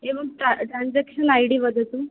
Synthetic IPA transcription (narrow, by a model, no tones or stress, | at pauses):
ɦeməɡ̚ʈaʈɾãnd͡zakɕənajɽiːʋəd̪ət̪u